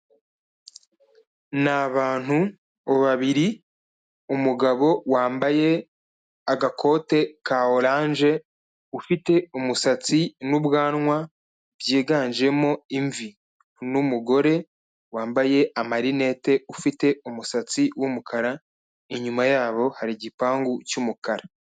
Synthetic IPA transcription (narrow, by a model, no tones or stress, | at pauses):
naβaːn̥hu | oβaβiɾi | umuɡaβo̞waːmbaje̞ | aɡakʰo̞ːte̞kaoɾaːnʒe̞ | ufite̞umusat͡sinubɡaːnŋwa | bjeːɡaːnd͡ʒe̞mo̞iɱvi | numuɡo̞ɾe̞ | waːmbaje̞amaɾine̞te̞ufite̞umusat͡siwumukʰaɾa | iɲumajaːβo̞haɾiɟipaːŋɡucumukaɾa